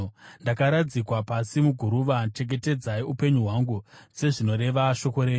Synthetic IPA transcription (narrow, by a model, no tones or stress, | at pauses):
ndakaɾad͡zikwapasimuɡʱuɾuʋat͡ʃe̞ɡe̞te̞d͡zaiupe̞ɲuɦwaŋɡuse̞ʐino̞ɾe̞ʋaʃo̞ko̞ɾeːɲu